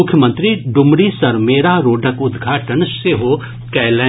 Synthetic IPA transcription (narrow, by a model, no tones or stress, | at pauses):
ʊkʰːjəmə̃nt̪ɾiɖʊmɾisɐɾmeːɾaɾoːɖʱəkʊd̪ɡʱaːʈənseɦoː | kɛːlɛ